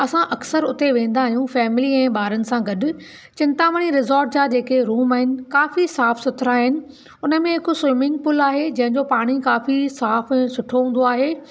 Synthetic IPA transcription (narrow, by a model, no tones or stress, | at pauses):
ɐsãʔɐksəɾʊt̪eʋẽːn̆d̪aːɦijũfɛːmɪliɛ̃ːɓaːɾənɪ̆sãɡɐɗʊ̆ | t͡ɕɪ̃nt̪aʋəɽ̃iɾɪzɔːɾʈ̚d͡ʑad͡ʑeːkeɾuːmaːɦɪnɪ̆kaːfisaːfsʊt̪ʰɪɾaːɦɪnɪ̆ | ʊnə̆mẽɦɪkswɪmɪ̃ŋɡ̚pʊlaːɦed͡ʑɐ̃ɦɪ̃ɲd͡ʑopaːɽ̃ikaːfisaːfɛ̃ːsʊʈʰoɦũːnd̪oaːɦeː